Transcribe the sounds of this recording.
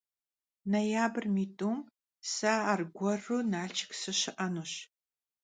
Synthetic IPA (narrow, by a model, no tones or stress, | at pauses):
nɐjaːbɨrmiːtʼuːm | saːrɡʷɔrunaːɮt͡ʃʰɪ̥ksɨɕɪʔɐnuːɕ